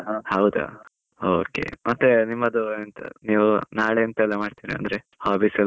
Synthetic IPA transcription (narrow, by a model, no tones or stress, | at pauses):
ɦhɐwd̪a̰ | oːkḛmɐt̪ːenimːɐd̪uent̪ɐ̰niːʋunaːɭeɐnt̪ɐɛlːɐmaːɖt̪iɾiɐ̰nd̪ɐɾe | haːbiːsɛl